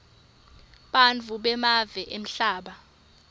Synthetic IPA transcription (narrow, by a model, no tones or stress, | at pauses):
ɓant͡fuɓɛmavɛʔem̩ɬaːɓa